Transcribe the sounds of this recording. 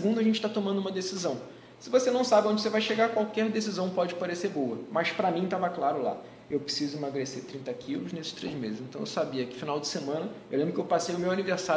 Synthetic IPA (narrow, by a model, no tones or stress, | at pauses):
ɡũnd̪ʊɐʒẽnt͡ʃɪ̥t̪at̪omɐ̃nd̪umɐd̪esizɐ̃w̃ | sɪvosenɐ̃w̃sabɪõd͡ʒɪsevajʃeɡakwawkɛɾd̪esizɐ̃w̃pɔd͡ʒɪpaɾeseɾbowɐmɐspɾɐmĩt̪avɐklaɾʊla̰ | ewpɾɪsizʊmaɡɾeseɾt̪ɾĩnt̪ɐkʰilʊznesɪ̥ʃt̪ɾḛzmezɪzẽnt̪ɐ̃w̃ḛwsabiɐkɪfinawd͡ʒɪsemɐ̃nɐewlẽbɾʊkewpasejʊmewaniveɾsa